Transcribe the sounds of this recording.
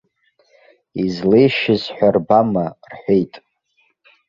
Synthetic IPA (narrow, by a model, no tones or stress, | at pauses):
izlejʃɪzħʷᶣarbamarħʷejtʼ